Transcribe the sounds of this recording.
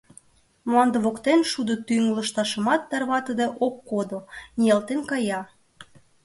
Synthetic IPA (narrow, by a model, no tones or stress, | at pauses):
mlɑnd̪əβokt̪enʃud̪ot̪yŋləʃt̪ɑʃə̆mɑt̪ːærβɑt̪əd̪ĕʔokːod̪onijɑlt̪enkɑjɑ